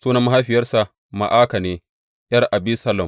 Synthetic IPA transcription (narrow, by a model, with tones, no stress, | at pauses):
suː˦nɐ˦mːa˦ɦa˦jɸɪ˨jɐ˦rsa˨ | ma̰˨ʔaː˦ka˨neː˦ | jɐ˦rʔa˨bi˦sɐ˦lɐ˨m